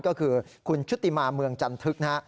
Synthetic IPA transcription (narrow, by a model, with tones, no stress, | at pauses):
kɔː˥˩kʰɯː˧kʰu˧nt͡ɕʰu˦˥t̪ːi˧˩maː˧mɯ˧əŋt͡ɕa˧mt̪ʰɯ˦˥k̚na˦˥ʔ